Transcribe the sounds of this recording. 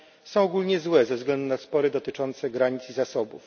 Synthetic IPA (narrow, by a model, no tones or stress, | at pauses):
sɔ̃w̃ɔɡulɲɛzwɛzɛvzɡlɛnd̪unaspɔɾɘd̪ɔt̪ɘt͡ʂɔnt̪sɛɡɾaɲit̪sizasɔbṵf